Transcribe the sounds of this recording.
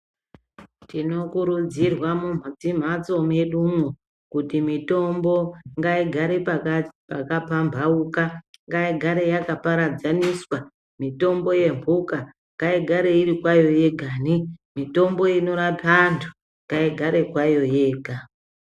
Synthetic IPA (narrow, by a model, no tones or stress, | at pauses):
tino̞kuɾud͡zirwamum̤ad͡zim̤at͡so̞meɗumwo | kutimito̞mbo̞ŋɡaiɡʱaɾeppakapambʱaukaŋɡaiɡʱaɾe̞jakapaɾad͡zaniswa | mito̞mbo̞je̞mbʱuka | ŋɡaiɡʱaɾe̞iɾikwajo̞je̞ɡʱaːnimito̞mbo̞ino̞ɾapantʰu̥ | ŋɡaiɡʱaɾe̞kwajo̞je̞ːɡʱa